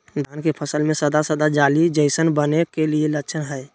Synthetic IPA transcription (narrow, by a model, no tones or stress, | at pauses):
d̪ʱankepʰəsəlmẽsəd̪asəd̪ad͡ʒalid͡ʒəɪsənbənekelieləkːt͡ʃʰənɦəɛ